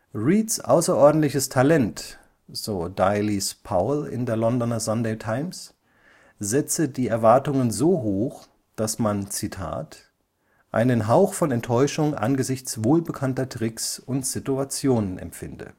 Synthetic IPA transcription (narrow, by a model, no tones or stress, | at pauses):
ʁiːtsʔa̰ʊsɐʔɔɐdn̩tlɪçəstʰalɛnt | z̥oːdaɪlispʰaʊlɪ̰ndeːɐlɔndɔnɐzandeːtʰaɪms | zɛt͡sədiːɛɐvaɐtʊŋənzoːɦoːx | d̥asmant͡sitʰa̰ːt | ʔa̰ɪnənɦaʊxfɔnɛntʰːɔʏʃʊŋʔa̰nɡəzɪçt͡sv̥oːlbəkʰantɐtʁ̥ɪksʊntz̥ɪtuat͡sjoːnənɛ̰mfɪndə̰